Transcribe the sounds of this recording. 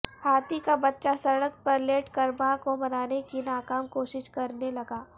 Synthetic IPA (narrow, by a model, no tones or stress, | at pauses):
haːt̪ikabɐtːʃasɐɽək̚pɐɾleːʈkɐɾmakomɐnaːnekinaːkaːmkoːʃɪʃkɐɾnelɐɡaː